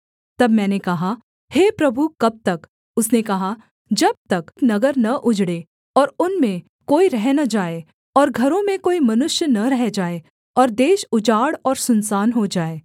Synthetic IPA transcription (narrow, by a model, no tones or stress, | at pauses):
t̪ɐbmɛ̃ːnekɐɦa | heːpɾɐbʱukɐb̚t̪ɐk | ʊsnekɐɦa | d͡ʒɐb̚t̪ɐkknɐɡəɾnɐʔʊd͡ʒɽe | ɔːɾʊnmẽ | koːiɾɛɦnad͡ʒaːe | ɔːɾɡʱɐɾõmẽkoːimɐnʊʃjənɐɾɛɦd͡ʒaːe | ɔːɾd̪eːʃʊd͡ʒaːɽɔːɾsʊnsaːnɦod͡ʒaːeː